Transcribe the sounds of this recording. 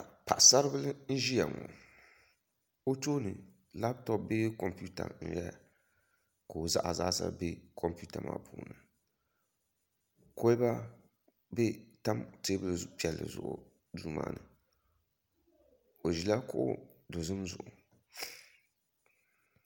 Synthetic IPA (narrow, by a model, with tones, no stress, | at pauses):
a˨pʰa˨ʔsa˦ɾɨ˦bɨ˦lɨ˦n̩˦ʒi˦ja˨ŋɔ˨ | o˦toː˦nɨ˨ | la˦btɔ˦p̚be˦kɔ˨mpu˦ta̰˨n̩˨jɛ˦˨ | ko˨za˦ʔa˨zaː˦sa̰˦be˦kʰɔ˦mpu˦ta˨mʔaː˦pʰuː˨nɨ˨ | ko˦ba˦ | be˦ta˦mteː˦bɨ˦lɨ˨pi˨ɛ˨lːɨ̰˨zʊ˨ʔʊ̰˨ | du˦ma̰ː˦˨nɨ˨ | o˨ʒi˨la˦kʊ˦ʔo̰˦do˨zɨ˦mzʊ˨ʔʊ˨